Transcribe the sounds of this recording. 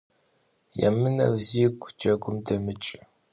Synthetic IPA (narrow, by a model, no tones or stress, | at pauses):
ja̰mɨnɐ̰wziːɡʷʼd͡ʒʰʼɐɡʷʼʊmdɐmɨt͡ʃʼ